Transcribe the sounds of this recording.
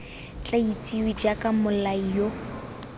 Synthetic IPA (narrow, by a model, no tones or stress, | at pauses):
t͡ɬʼait͡sʼiwid͡ʒakʼamʊlaijo